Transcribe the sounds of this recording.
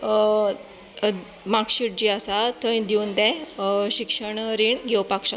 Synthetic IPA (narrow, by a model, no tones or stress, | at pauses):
makɕiʈ̚d͡ʑiasat̪ə̃jd̪iund̪ɛ̃ɕikʂəɳɾiːɳɡʱewpakɕa